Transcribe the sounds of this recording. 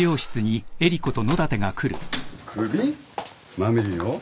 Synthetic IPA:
jo̞ːɕi̥t͡sɨɲ̟ie̞ɾʲiko̞t̪o̞no̞d̪at̪e̞ɡakʰɯ̟ɾɯ̟̰kʰɯi | mamiɾʲio

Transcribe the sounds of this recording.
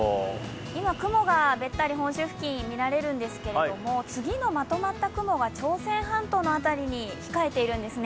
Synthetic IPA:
imakɯ̟mo̞ɡabe̞t̪ːaɾʲiɦõ̞ɰ̃ɕɨɸɯ̟̥kʲĩɲmʲiɾaɾe̞ɾɯ̟̃nd̪e̞sɨ̥ke̞ɾeomo̞t͡sɨɡʲino̞mat̪o̞mat̪ːakɯ̟mo̞ɡat͡ɕo̞ːsẽ̞ɰ̃ɦãnt̪o̞ːno̞at̪aɾʲiɲ̟içi̥kae̞t̪e̞iɾɯ̟̃nd̪e̞sɨne

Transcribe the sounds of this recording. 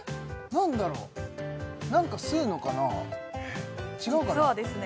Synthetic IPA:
nãnd̪aɾo̰ː | nãŋkasɨɯno̞kana | t͡ɕiɡaɯkaoːd̪esɨn

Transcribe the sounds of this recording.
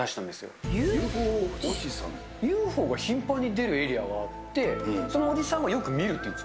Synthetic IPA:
aɕi̥t̪ãnd̪e̞sɨjo̞̰jɯooɕisã̰n | jɯːɸo̞ːɡaçĩmpãɲ̟ːid̪e̞ɾɯ̟e̞ɾʲiaɡaːt̪ːe̞so̞noːdʲisãɰ̃ɡajo̞kɯ̟mʲiɾɯ̟t̪ːei̟

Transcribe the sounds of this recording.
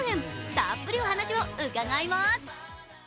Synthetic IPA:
ŋɯmtap͈ːɯɾiohanaɕʰimoɯɡaŋaimas

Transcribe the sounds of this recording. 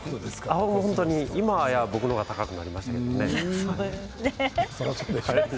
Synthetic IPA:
od̪esamoõnt̪oɲ̟iimajabo̞kɯnoɡat̪akakɯ̟na̰ɾʲimasɕi̥t̪ake̞doneo | ne | a

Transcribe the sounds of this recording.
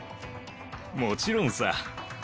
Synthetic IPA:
mot͡ɕiɾõñsa̰

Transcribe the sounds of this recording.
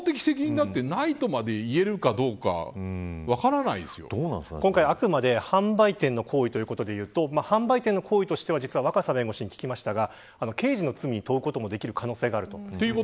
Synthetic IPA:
t̪ekʲi̥sek̬ʲiɲ̟ĩnat̪ːe̞nait̪o̞mad̪e̞ie̞ɾɯ̟kad̪o̞ːka̰βakaɾanaid̪esɨjo̰̥okõ̞ŋkaiakɯ̟mad̪e̞hãmbait̪ẽ̞nːo̞kʰo̞ːit̪o̞jiɯ̟kot̪o̞d̪e̞jɯ̟ːt̪o̞mahãmbait̪ẽ̞nːo̞kʰoːit̪o̞ɕi̥t̪e̞βad͡ʑit͡sɨβaβ̞akasabẽ̞ŋɡo̞ɕiɲ̟ikʲi̥kʲimaɕi̥t̪aɡa | ano̞ke̞ːʑino̞t͡sɨmʲiɲ̟it̪o̞ɯ̟ko̞t̪o̞mo̞d̪e̞kʲiɾɯ̟kʰano̞ːse̞ːɡaːɾɯ̟t̪o̞ːeiɯo

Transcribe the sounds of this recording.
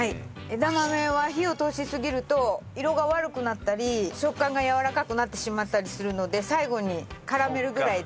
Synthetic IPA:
hai | ed̪amame̞βaçio̞t̪o̞ːɕisɨɡʲiɾɯ̟t̪o̞iɾo̞ɡaβaɾɯ̟kɯ̟nat̪ːaɾʲiɕo̞kːãŋɡajaβaɾakakɯ̟nat̪ːe̞ɕimat̪ːaɾʲisɨɾɯ̟no̞d̪e̞saiɡo̞ɲ̟ikaɾame̞ɾɯ̟ɡɯ̟ɾai

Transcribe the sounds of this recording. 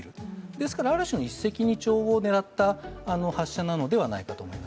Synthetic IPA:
ɾɯ̟d̪e̞sɨ̥kaɾaːɾɯ̟ɕinoisːe̞kʲiɲ̟it͡ɕo̞ːβone̞ɾat̪ːaːno̞haɕːanano̞d̪e̞β̞ana̰ikat̪o̞ːmo̞̰imas

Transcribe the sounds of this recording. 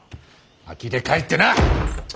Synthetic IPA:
a̰kit̪ekait̪ːena

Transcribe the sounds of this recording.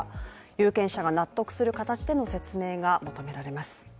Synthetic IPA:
jɯːkẽ̞ɰ̃ɕaɡanat̪ːo̞kɯ̟̥sɨɾɯ̟kat̪at͡ɕid̪e̞no̞se̞t͡sɨme̞ːɡamo̞t̪o̞me̞ɾaɾe̞masɨ̥

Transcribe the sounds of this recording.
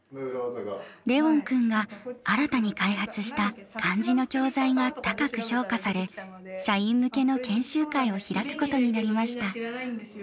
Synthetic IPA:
ɾe̞õ̞ŋkɯ̟̃ŋɡaaɾat̪aɲ̟ikaihat͡sɨɕi̥t̪akʰãɲ̟d͡ʑino̞kʲo̞ːzaiɡat̪akakɯ̟ço̞ːkasaɾe̞ | ɕaĩmːɯ̟ke̞no̞kẽ̞ɰ̃ɕɨːkaio̞çiɾakɯ̟̥ko̞t̪o̞ɲ̟inaɾʲimaɕi̥t̪a

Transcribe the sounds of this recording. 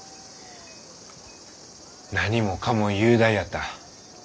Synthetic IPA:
naɲ̟imo̞kamojɯːd̪ajat̪ːa

